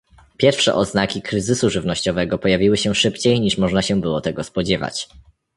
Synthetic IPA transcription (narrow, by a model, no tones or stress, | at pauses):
pʲjɛɾfʂɛ̰ʔɔznakʲikɾɘzɘsuʐɘvnɔɕt͡ɕɔvɛɡɔpɔjavʲiwɘɕɛʂɘpt͡ɕejɲiʂmɔʐnaɕɛbɘwɔt̪ɛɡɔspɔd͡ʑɛva̰t͡ɕ